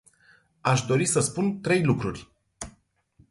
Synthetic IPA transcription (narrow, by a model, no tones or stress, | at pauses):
aʃd̪o̞ɾisəspunt̪ɾe̞jlukɾurʲ